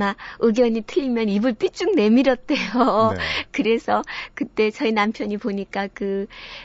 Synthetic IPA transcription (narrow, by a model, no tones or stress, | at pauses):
maɯɡjʌɲitʰɯʎːimjʌnibɯɭp͈it͡ɕ͈uŋne̞miɾʌt̚t͈e̞jokɯɾe̞sʰʌkɯt͈e̞t͡ɕʌinampʰjʌɲipoɲik͈akɯ